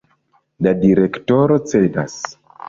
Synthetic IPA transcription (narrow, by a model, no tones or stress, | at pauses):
ladiɾe̞kto̞ɾo̞t͡se̞da̰s